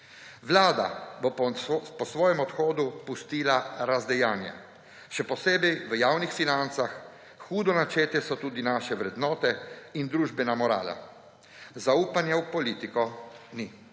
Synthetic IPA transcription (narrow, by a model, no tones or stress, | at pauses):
ʋlaːd̪a̰bɔpɔsʋɔːjɛmɔt̪xɔːd̪upust̪iːlaɾazd̪ɛjaːnja̰ | ʃɛpɔseːbɛjʋəjaːwnixfinant̪sax | xuːd̪ɔnat͡ʃeːt̪ɛsɔt̪uːd̪inaʃɛʋɾɛd̪nɔːt̪ɛind̪ɾuːʒbɛnamɔɾa̰ːla̰ | zauːpanjawpɔliːt̪ikɔni